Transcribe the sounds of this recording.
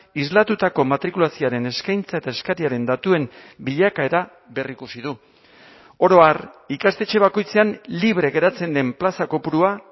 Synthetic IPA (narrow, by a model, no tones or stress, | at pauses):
izlat̪ut̪ako̞mat̪ɾikulasioaɾe̞ne̞skajnt͡sae̞t̪ae̞skaɾiaɾe̞nd̪at̪ue̞m | biʎakae̞ɾa | βe̞rikusið̞u | o̞ɾo̞arikast̪e̞t͡ʃe̞β̞ako̞jt͡se̞anliβ̞ɾe̞ɣe̞ɾat͡se̞nd̪e̞mplasako̞puɾua